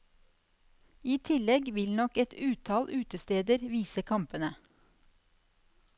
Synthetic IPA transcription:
iːt̪ʰɪlɛɡʋɪlnɔkɛt̪ʉːt̪ʰɑːlʔʉːt̪əst̪eːd̪əɾʋiːsəkʰɑmpənə

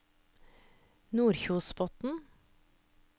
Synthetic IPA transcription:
nuːɾçuːspɔt̪n̩

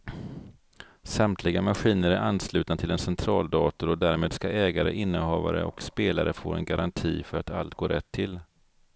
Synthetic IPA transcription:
samt̪ʰlɪɡamaɧiːnəɾæɾʔanːslʉ̟ːt̪nat̪ʰɪlɛnsɛnt̪ʰɾɑːld̪ɑːt̪ʊɾɔd̪æːɾmeːd̪skaʔɛːɡaɾə̰ʔɪnːəhɑːva̰ɾə̰ʔɔkspeːlaɾəfoːɾɛ̰nɡaɾʔant̪ʰiːfœɾat̪a̰lt̪̚ɡoːɾʔɛt̪ʰːɪl

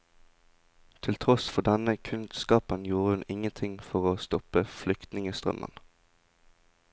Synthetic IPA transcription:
t̪ʰɪlt̪ʰʁɔsfɔʁd̪ɛnəkʰʉnskɑːpənjuːʁəhʉnɪŋənt̪ʰɪŋfɔʁoːst̪ɔpəflʏkt̪nɪŋəst̪ʁœ̰mʔə̰n

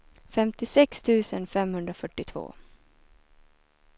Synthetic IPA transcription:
fɛmt̪ɪsɛkst̪ʰʉ̟ːsənfɛmhɵnd̪ɾafœʈːɪt̪ʰv̥o̰ː

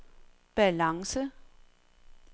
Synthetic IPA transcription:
b̥ælɑ̈ŋsə

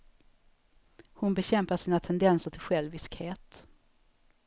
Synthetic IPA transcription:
hʊnbɛɕɛmpaʂiːnat̪ʰɛnd̪ɛnsəʈʰɪlɧɛlvɪskheːt̪

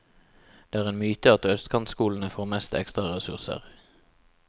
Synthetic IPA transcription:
d̪̥eːæːʁeːnmyːt̪əɑt̪œst̪kʰɑnt̪skuːln̩əfoːʁmɛst̪ɛ̰kst̪ʁɑʁɛsʉ̰ʁsə̰ʁ

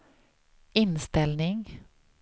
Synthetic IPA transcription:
ʔɪnst̪ɛlnɪŋ

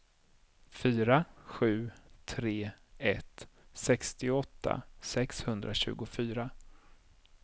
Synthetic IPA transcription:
fyːɾaɧʉ̟ːt̪ʰɾeːɛt̪sɛkst̪ɪɔt̪ʰːa̰sɛkshɵnd̪ɾʔaɕʉ̟ːɡʊfyːɾa

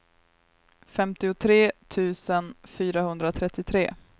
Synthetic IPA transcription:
fɛmt̪ɪʊt̪ʰɾeːt̪ʰʉ̟ːsənfyːɾahɵnd̪ɾat̪ʰɾɛt̪ːɪt̪ʰɾeː

